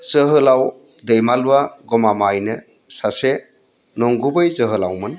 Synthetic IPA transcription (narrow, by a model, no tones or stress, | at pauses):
zɯɦɯlaw | dejmaluwaɡɔmamajnɯ | sase | nɔŋɡubɯjzəɦɯlawmɯn